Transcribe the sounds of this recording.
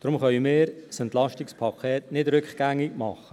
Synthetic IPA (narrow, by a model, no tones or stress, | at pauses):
d̥ɾʊmχœʏmɪːɾsəntlɑʃtɪkspʰɑkʰɛːtnɪdɾʏkχɡ̥æŋɪɡmɑχə